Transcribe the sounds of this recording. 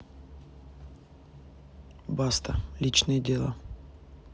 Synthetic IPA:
bast̪əlʲit͡ɕnɨjədʲelˠa̰

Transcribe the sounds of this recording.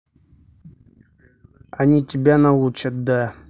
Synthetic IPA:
ɐnʲitʲɪbʲanɐut͡ɕət̪̚d̪a

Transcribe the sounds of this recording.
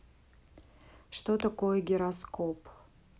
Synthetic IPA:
ʂt̪ot̪ɐkojɛɡʲɪɾɐskop

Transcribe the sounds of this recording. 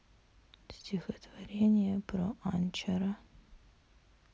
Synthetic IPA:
sʲtʲʰixət̪vɐɾʲenʲɪjɛpɾoʔanʲt͡ʃɐɾɐ

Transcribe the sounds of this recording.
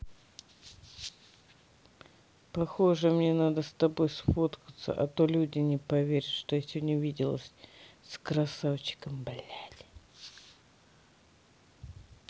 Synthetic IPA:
pɐxo̞ʐɨmnʲenad̪əst̪ɐbo̞jsfot̪kət̪sə̰ʔɐ̰t̪o̞lʲudʲɪnʲɪpɐvʲeɾʲɪt̪ʂt̪o̞jasʲodʲnʲɪvʲidʲɪlˠəsʲskɾɐsavt͡ɕɪ̥kəmbalʲætʲ

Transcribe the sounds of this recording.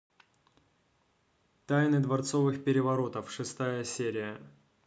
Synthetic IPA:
t̪ajnɨd̪vɐrt̪so̞vɨxpʲɪɾʲɪvɐɾo̞t̪əfʂɨst̪ajəsʲeɾʲɪjə

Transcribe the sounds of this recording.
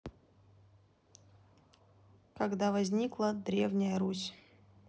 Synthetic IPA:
kɐɡd̪avɐzʲnʲiklˠəd̪ɾʲevnʲɪjəɾusʲ

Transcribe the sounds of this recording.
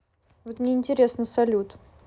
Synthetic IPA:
vot̪mnʲeɪnʲtʲɪɾʲesnəsɐlʲut̪

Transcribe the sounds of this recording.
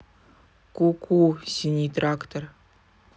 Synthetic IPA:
kukʰusʲinʲit̪rakt̪or

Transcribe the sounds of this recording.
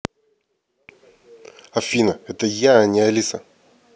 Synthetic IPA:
ɐfʲinɐɛt̪əjaːnʲiɐlʲisɐ

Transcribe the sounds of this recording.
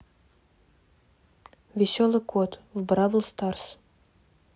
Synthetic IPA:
vʲɪsʲolˠɨkʰot̪vbrɑvəlˠst̪ɑrs

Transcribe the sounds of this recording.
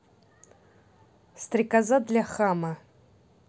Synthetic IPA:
st̪rʲikazad̪lʲaχamɐ

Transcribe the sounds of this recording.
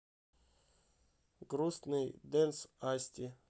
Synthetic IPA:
ɡɾusnɨjd̪ɛnsasʲtʲɪ

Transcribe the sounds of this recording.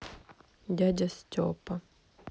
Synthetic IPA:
dʲadʲɐstʲo̰pɐ

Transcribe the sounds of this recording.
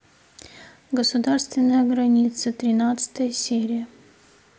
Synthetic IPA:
ɡəsʊd̪arst̪vʲɪnːəjəɡɾɐnʲit̪sət̪ɾʲɪnat̪sɨ̥t̪əjəsʲeɾʲɪjə

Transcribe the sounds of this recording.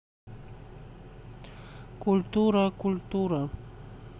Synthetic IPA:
kʊlt̪ʊɾakʊlt̪ʊɾa

